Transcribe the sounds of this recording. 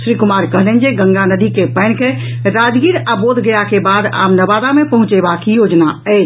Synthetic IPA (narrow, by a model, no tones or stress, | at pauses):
sɾikʊmaːɾkəɦlend͡ʒeɡə̃ŋɡanəd̪ikepɛɪnke | ɾaːd͡ʒɡiɾabod̪ɡəjakebaːd̪a̰bnəbad̪amepəɦʊ̃t͡ʃebakijoːd͡ʒnaɛɪt͡ʃ